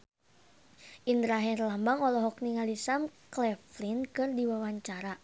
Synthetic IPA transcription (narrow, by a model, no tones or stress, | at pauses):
ʔindɾaɦɛrlambaŋɔlɔɦɔkniŋalisamklɛflinkɨrdiwawaɲt͡ʃaɾa